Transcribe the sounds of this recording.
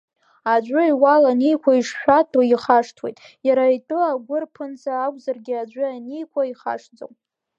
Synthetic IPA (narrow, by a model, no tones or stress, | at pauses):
ad͡ʒʷʊiwalanejkʷʰaiʂʃᶣʷatʰʼaiχaʂtʰwejtʼ | jaɾaitʼɨlaɡʷʊrpʰɨnt͡sʰaːkʷʼzarɡʲɪad͡ʒʷʊanejkʷʰaiχa̰ʂd͡zo̰wm